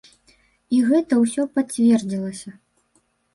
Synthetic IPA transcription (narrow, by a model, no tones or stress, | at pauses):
iɣɛt̪ɐwsʲɔpat͡sʲvʲɛrd͡zʲilˠɐsʲɐ